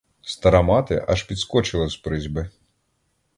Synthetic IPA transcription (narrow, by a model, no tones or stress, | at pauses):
st̪ɐɾamat̪ɨ̰ʔɐʂpʲit̪skɔt͡ʃɨlˠɐspɾɨzʲbɨ